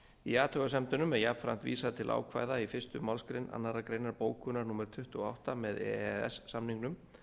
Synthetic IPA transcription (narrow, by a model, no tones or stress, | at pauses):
iaːt̪ʰœɣasɛmt̪ʏnʏmɛðjap̪fɾa̰m̥t̪vḭːsaðt̪ʰɪlʔa̰wkʰva̰ːjðaifɪst̪ʏmawlskɾejnʔa̰nːaɾakɾeːjnaɾpoːwkʰʏnaɾnuːmɛɾt̪ʰʏht̪ʏɔa̰wht̪amɛðɛ̰ɛɛ̰sːamniŋknʏm